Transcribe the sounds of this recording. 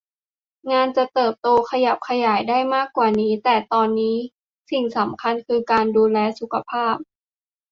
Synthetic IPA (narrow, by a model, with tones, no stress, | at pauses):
ŋaː˧nt͡ɕa˨˩t̪ɤː˨˩p̚t̪oː˧kʰa˧ja˨˩p̚kʰa˧jaː˩˦jdaː˥˩jmaː˥˩kːwaː˨˩niː˦˥t̪ɛː˨˩t̪ɔː˧nːiː˦˥ | si˨˩ŋsa˩˦mkʰa˧nkʰɯː˧kaː˧nduː˧lɛː˧su˨˦kʰa˧pʰaː˥˩p̚